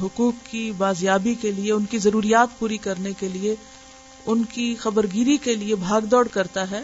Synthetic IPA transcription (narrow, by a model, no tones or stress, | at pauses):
ɦʊkuːkːibaːzjaːbikelieʊnkizɐɾuːɾijaːt̪puːɾikɐɾnekelie | ʊnkixɐbəɾɡiːɾikeliebʱaːɡd̪ɔːɽkɐɾt̪aɦɛː